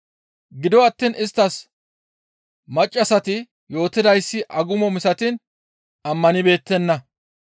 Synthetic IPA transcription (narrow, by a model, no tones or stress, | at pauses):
ɡɪd̪ɔɐt̪ːiːnɪst̪ːɐs | mɐt͡ʃʼːɐsɐt̪ɪ | jo̞ːt̪ːɪd̪ɐjsːɪʔɐɡʊmɔmɪsɐt̪ɪn | ɐmːɐnɪbe̞ːt̪ːɛnːɐ